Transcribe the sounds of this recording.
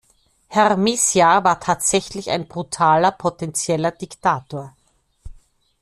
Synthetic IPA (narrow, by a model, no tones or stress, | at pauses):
hɛʁmisjavaːɐtʰaːtz̥ɛçlɪça̰ɪnb̥ʁutʰaːlɐpʰotɛnt͡sjɛlɐd̥iktʰaːtoːɐ